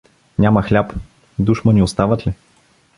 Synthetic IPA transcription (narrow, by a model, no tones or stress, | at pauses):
nʲaməxlʲap | d̪uʃməniost̪avət̪li